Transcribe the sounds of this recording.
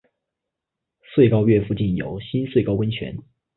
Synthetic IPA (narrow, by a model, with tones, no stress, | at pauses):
swe˥˩ɪkɑ˥ʊɥɛ˥˧˩fu˥˧t͡ɕi˥˩njo˨˩ʊɕi˥nswe˥˩ɪkɑ˥ʊwə˥nt͡ɕʰɥɛ̰˧˥n